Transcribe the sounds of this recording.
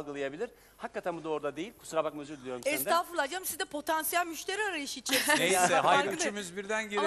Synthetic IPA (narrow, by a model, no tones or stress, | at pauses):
lˠɡɯlˠajabilʲiɾ̥ | hakːat̪ʰænbud̪ooɾud̪ad̪e̞jilʲkʰu̥suɾamak̚møzyɾd̪ʲilʲijoɾɛsʰaːfɯɾlˠad͡ʒamsizd̪ɛpʰo̞t̪ʰansijælʲmyʃt̪ʰeɾiaɾajɯʃit͡ʃʰeehaj̪t͡ʃʰymyzbiɾd̪ænɟe